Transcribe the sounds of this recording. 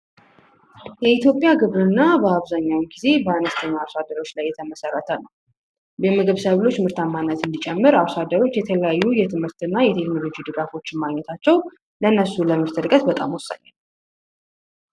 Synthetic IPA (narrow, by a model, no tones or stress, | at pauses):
jɛit̪ʰjo̞pʼjaɡɨβɾɨnːabəaβzaɲːawmɡize̞bəanəst̪ʰəɲːaːβsad̪əɾo̞t͡ʃːlajːɛt̪ʰəməsərːət̪ʰənəw | bɛmɨɡɨβsaβlo̞t͡ʃːmɨɾt̪ʰamːanːət̪ɨnd̪it͡ʃʼɛmːɨɾaβsad̪əɾo̞t͡ʃːjɛt̪ʰələjajːujɛt̪ʰɨmhɨɾt̪ɨnːajɛt̪ʰekno̞lo̞d͡ʒid̪ɨɡafo̞t͡ʃːɪnmaɡɲɛt̪ʰat͡ʃːɛw | ləɨnːəsuləmɨɾt̪ʰɨlkʼət̪bət̪ʼa̰mwʊsːa̰ɲːa̰l